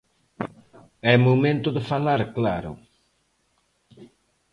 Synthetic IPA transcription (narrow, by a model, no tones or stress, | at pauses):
ɛmomẽnt̪ʊðəfalaɾklaɾʊ̰